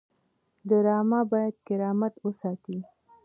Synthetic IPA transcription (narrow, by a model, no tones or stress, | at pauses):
d̪əɾɑmɑbɑjad̪kɪɾɑmat̪wəsɑt̪i